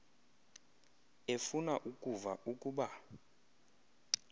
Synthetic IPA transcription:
efunaʔukʼuvaukʼuɓa

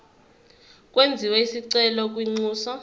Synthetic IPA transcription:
k̬ʼwend͡zʱiwɛisiǀɛlɔk̬ʼwiŋ͡ǀuːsɔ

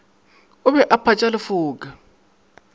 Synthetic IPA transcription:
ʊβɛʔapʰat͡ʃʼalɪfuːkʼa

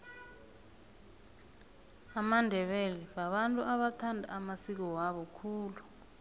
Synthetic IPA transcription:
amandʱɛɓɛlɛɓaɓantʼuʔaɓatʰandʱa̰ːmasik̬ɔwaɓɔkʰuːlu

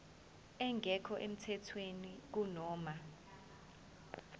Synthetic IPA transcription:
ɛŋʱɛkʰɔʔem̩tʰɛtʰwenik̬unɔːma

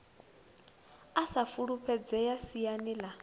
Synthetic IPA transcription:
asafuɺupʰɛd͡zɛjasijanila

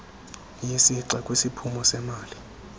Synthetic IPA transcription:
jisiǀɛkʼwisipʰumɔsɛmaːli

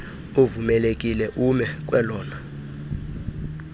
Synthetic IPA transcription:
ovumɛlekʼilɛʔumɛk̬ʼwɛlɔːna

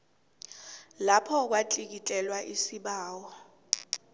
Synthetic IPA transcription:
lapʰɔk̬watʼik̬itʼɛlwaʔisiɓaːwɔ

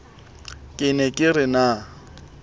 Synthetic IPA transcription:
kʼɪnɛkʼɪrɪna

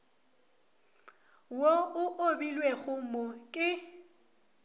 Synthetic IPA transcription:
woʊʔobilweɣʊmɔkʼɪ

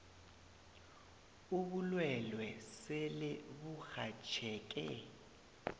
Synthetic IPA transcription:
uβulwɛlwɛselɪβuxat͡ʃʰɛːk̬ʼɛ

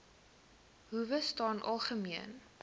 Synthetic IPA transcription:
ɦuvəstɑːnʔɑ̰lˠχəmiən

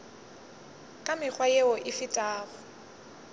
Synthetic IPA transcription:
kʼamɪk͡xwajeɔʔɪfɪtʼaːɣɔ

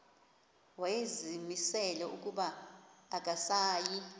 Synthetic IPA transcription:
wajezimisɛlɛuk̬ʼuɓaː | k̬ʼasaːji

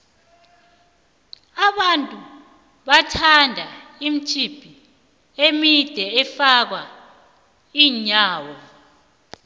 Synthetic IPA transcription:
aɓantʼu | ɓatʰandʱaim̩t͡ʃʼib̥ʱi | emid̥ʱɛɛfak̬wa | iːɲaːwɔ

